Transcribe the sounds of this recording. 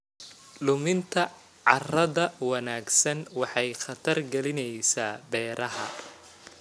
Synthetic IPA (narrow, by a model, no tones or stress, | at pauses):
lʊmɪnt̪ʰɐ | ʕɑrɐðɐwɑnaːɡsɐnwɑħɑjχɑt̪ʰɐrɡɐlɪnɛjsaːbɛːɾʔɐɦɐ̰